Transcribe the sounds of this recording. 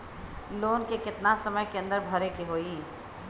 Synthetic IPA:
loːnkekɪt̪nasəməjkeɐ̃nd̪əɾbʱɐɾekeɦoːiː

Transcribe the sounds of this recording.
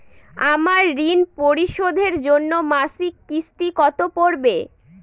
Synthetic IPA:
amaɾːinpoɾiʃod̪ʱeɾd͡ʑonːomasikːist̪ikɔt̪opoɾbe

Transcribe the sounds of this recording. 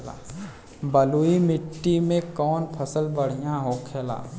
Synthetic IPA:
la̰ː | bəluimɪʈːimẽkɔːnpʰəsəlbəɽ̤ijãɦoːkʰeːla̰ː

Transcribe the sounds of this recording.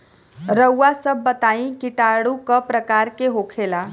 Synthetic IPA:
ɾəwːasəbːət̪aĩkiʈaɽukəpɾəkaɾkeɦokʰela

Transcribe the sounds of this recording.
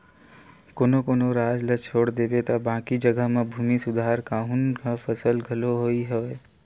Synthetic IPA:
koːnokoːnoɾaːd͡ʒlət͡ʃʰoːɽd̪ebet̪abãːkid͡ʒəɡəɦmãbʱuːmisʊd̪ʱaɾkaːɦunkafəsəlɡʱəloɦoiɦəʋe

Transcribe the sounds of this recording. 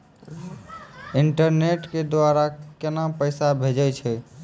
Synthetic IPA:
iɳʈəɾneʈked̪waɾakenapəjsabʱed͡ʒəjt͡ʃʰɛ

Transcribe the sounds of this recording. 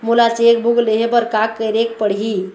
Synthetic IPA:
mulat͡ʃek̚bʱuɡleɦepəɾkakːəɾekpəɽɦi

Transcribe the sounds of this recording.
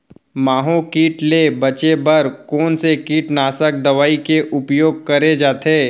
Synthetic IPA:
maːɦõkiːʈlebɐt͡ʃebɐɾkoːnsekiːʈnaːsək̚d̪ɐʋaːikeʔʊpjoːɡ̚kɐɾed͡ʒaːt̪ʰeː

